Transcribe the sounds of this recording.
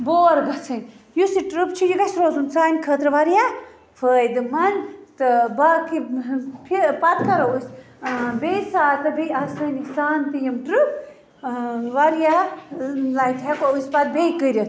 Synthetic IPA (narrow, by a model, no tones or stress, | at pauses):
boːɾɡɐsʰɐnʲjusiʈɾɨpt͡ʃʰijiɡɐsɾoːzunsaːnʲkʰəːt̪ɾɨʋɐɾja | fʰəːjd̪ɨmɐnt̪ɨbakipʰipɐt̪̚kɐɾɐusʲ | besaːt̪ɐbijɐsɐːnisaːnt̪ijɐmʈɾɨp̚ | ʋɐɾja | lajt̪ʰɛkousʲpɐt̪̚beːkəɾʲɐ